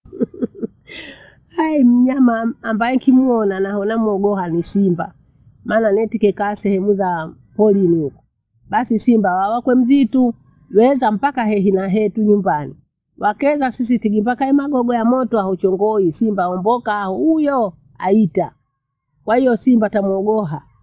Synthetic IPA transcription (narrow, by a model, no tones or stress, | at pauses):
aim̩ɲamaːmbajɛkimuɔnanahɔnamuɔɡɔhanisimba | maːnanɛtikɛkaːsɛhɛmuza | pɔlinuku̥ | ɓasisimbawawakwɛm̩zitu | wɛzam̩pakaɦɛɦinaɦɛtuɲumbani | wʔakɛzasis̬itiɡimbakaimaɡɔɡɔjamɔtɔahut͡ʃɔŋɡɔisimbaːɔmbɔkahujɔ | a̰ita | kwahijɔsimbatamwɔɡɔɦa